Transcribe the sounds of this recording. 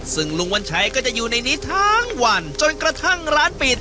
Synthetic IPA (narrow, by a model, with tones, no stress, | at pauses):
sɯ˧˩ŋlu˧ŋwa˧nt͡ɕʰa˦˥jkɔː˥˩t͡ɕa˨˩juː˨˩na˧jniː˦˥t̪ʰaː˦˥ŋwa˧nt͡ɕo˧nkɾa˧t̪ʰa˥˩ŋɾaː˦˥npiː˨˩t̪̚